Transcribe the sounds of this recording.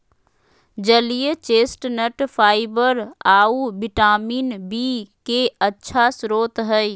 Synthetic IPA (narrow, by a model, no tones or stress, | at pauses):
d͡ʒəlijet͡ʃeːsʈnəʈfʰaːɪbəɾaːubɪʈaːmiːnbiːkeətːʃʰasɾoːt̪ɦɛi